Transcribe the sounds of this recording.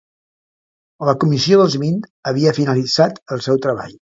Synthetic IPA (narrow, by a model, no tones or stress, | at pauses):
ləkumisioðəlˠzβint̪əβiəfinəlid͡zat̪əlˠsɛwt̪ɾəβa̰ʎ